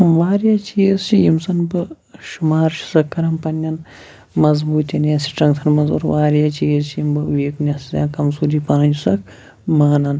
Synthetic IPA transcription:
ʋaːɾjaːt͡ʃʰijest͡ʃʰijimsɐnbɨ | ʃumaːɾʃʰi̥sɐkːɐɾɐmpɐnʲːɐn | mɐzbuːt̪ɐnjɐsi̥ʈɐŋɡt̪ʰɐnmɐzṵːɾʋaːɾjaːt͡ʃijist͡ʃʰijimbɨuʋeːknʲɐsizʲa̰ːnkɐmsuːdiːpɐnɐnd͡ʒusɐk | maːnɐn

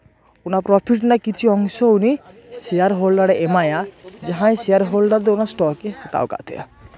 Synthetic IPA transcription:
onapɾɔpʰiʈnakit͡ɕʰiɔŋʃouni | ʃeaɾɦolɖaɽeʔemajad͡ʑaɦãjʃejaɾɦolɖaɾd̪eonasʈɔket̪a̰oka̰t̪ʰḛa̰

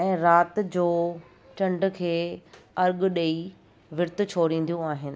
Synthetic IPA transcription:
ɛ̃ːɾaːt̪d͡ʑoː | t͡ɕɐ̃ɳɖkʰeːɐɾɠɗei | ʋɪɾt̪̆t͡ɕʰoːɾĩːn̆d̪ijũaːɦɪnɪ̆

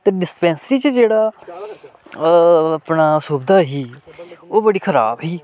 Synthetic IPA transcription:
t̪eɖɪspɛ̃ːnsəɾiːt͡ʃəd͡ʒeːɽaː | pɳaːsubd̪aːɦiːoːbəɽiːkʰəɾa̰ːbɦiː

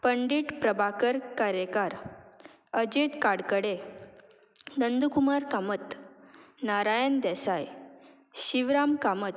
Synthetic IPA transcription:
pəɳɖiʈpɾəbʱakəɾkaɾjəkaɾ | əd͡ʑet̪kaɽkəɽe | nənd̪ukumaɾkamət̪ | naɾajənd̪ɛsaj | ɕiʋɾamkamət̪

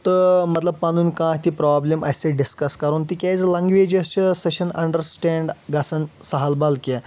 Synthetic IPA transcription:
t̪əmət̪ləb̚panuːnkãɦt̪iːpɾɔablema̰jseɖiskəskaɾuːnt̪iːkʲajt͡slaŋɡʋed͡ʑəseɕənɐ̰ɳɖəɾsʈẽɳɖɡʱasənsəɦalbalke

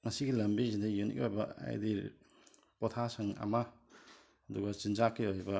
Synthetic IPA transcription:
ŋɐsiɡilɐmbizindajunḭk̚ojbɐa̰jdiɾ | pɔt̪ʰasɐŋa̰ma | ɐduɡat͡ʃinzakːiojbɐ

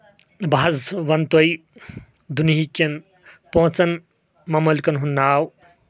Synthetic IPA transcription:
bʱaɐzʋɐnt̪oj | d̪uniɦikɐn | põɦt͡sɐn | mɐmɐlkɐnɦunːaːw

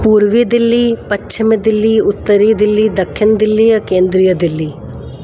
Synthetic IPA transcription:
puːɾʋid̪ɪlːiːpɐt͡ʃːt͡ʃʰɪmed̪ɪlːiːʊt̪ːəɾiːd̪ɪlːiːd̪ɐkʰːɪnd̪ɪlːiːɐkẽːnd̪ɾijəd̪ɪlːiː

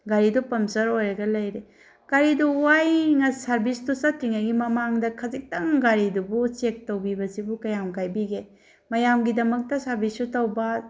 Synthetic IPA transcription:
ɡaɾidupɐmsɐɾojɾɐɡɐlɐjɾe | ɡ̥aɾiduwajŋɐsɐɾbistusɐtiŋaɡimɐmaŋdɐkʰɐzik̚tɐŋɡaɾidubut͡ʃek̚tɐwbibɐsibukɐjamkajbiɡe | mɐjamɡidɐmɐk̚tɐsaɾbisutɐwbɐ

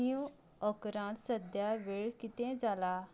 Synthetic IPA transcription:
iju | əkɾãt̪səd̪jaʋeɭkit̪ɛ̃d͡zala

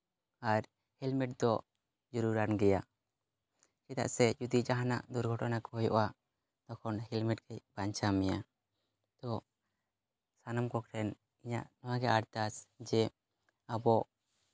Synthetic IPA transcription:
aɾ | hilmiʈ̚d̪ɔ | d͡ʒuɾuɾanɡɛja | kit̪a̰ʔsɛd͡ʒud̪id͡ʒaɦana̰ʔd̪uɾɡʱɔʈɔnakɔɦɔjɔ̰ʔa | d̪̥ɔkʰɔnhɛlmiʈkɛjbaɲt͡ʃamɛja | t̪ɔ | sanamkɔkʰɾɛn | iɲa̰ʔnɔwaɡɛʔaɾt̪asd͡ʒɛ | abɔʔ

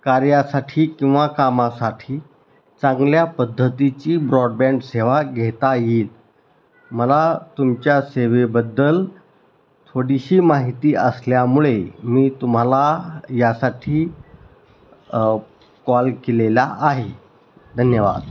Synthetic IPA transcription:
kaɾjasaʈʰiːkĩw̃ʋakamasaʈʰiː | t͡sãŋɡljapəd̪ʱːət̪it͡ɕiːbɾɔɖbɛ̃ɳɖseʋaɡʱet̪ajiːl | məlat̪umt͡ɕjaseʋebəd̪ːəl | t̪ʰoɽiɕiːmaɦit̪iːəsljamuɭemiːt̪um̤alajasaʈʰiː | kɔlkelelaʔaɦe | d̪ʱənjəʋa̰d̪

